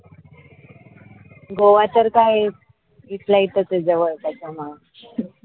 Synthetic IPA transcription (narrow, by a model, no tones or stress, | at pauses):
ɡoʋat̪əɾkaje | it̪ʰlait̪ət͡s̪əd͡zəʋəɭt̪at͡sama